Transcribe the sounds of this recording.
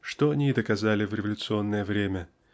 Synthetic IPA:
ʂt̪oɐnʲid̪əkɐzalʲɪvɾʲɪvəlʲʊt̪sɨo̞nːəjəvɾʲemʲə

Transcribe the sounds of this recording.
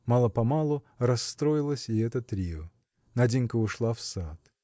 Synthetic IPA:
mɑlˠəpɐmalˠʊ | ɾɐsːt̪ɾoɪlˠəsʲɪɛt̪ət̪ɾʲiə | nɐdʲinʲkəʊʂlˠafsat̪

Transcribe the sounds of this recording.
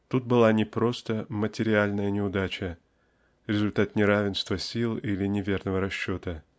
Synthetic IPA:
t̪ut̪̚bɨlˠanʲɪpɾo̞st̪əmətʲɪɾʲɪalʲnəjənʲɪʊd̪at͡ɕə | ɾʲɪzʊlʲt̪at̪nʲɪɾavʲɪnst̪vəsʲilˠilʲɪnʲɪvʲe̞rnəvəɾɐɕːo̞t̪ə

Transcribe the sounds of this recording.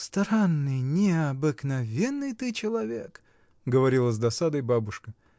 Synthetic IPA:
st̪ɾanːɨjnʲɪɐbɨknɐvʲenːɨjt̪ɨt͡ɕɪlˠɐvʲek | ɡəvɐɾʲilˠəzd̪ɐsad̪əjbabʊʂkə

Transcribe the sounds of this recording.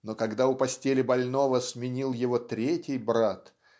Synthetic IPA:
no̞kɐɡd̪aʊpɐsʲtʲelʲɪbɐlʲno̞vəsmʲɪnʲilˠjɪvo̞t̪ɾʲetʲɪjbɾat̪

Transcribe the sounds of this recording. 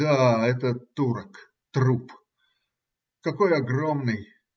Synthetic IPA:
aɛt̪ət̪uɾək | t̪ɾup | kɐkojɐɡromnɨj

